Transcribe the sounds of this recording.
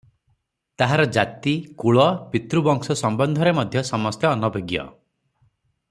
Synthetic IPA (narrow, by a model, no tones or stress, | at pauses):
t̪aɦaɾɔd͡ʒat̪ikuɭɔpit̪ɾubɔŋsɔsɔmbɔnd̪ʱɔɾemɔd̪ʱjɔsɔmɔst̪jɔːnɔbʱeɡjɔ̰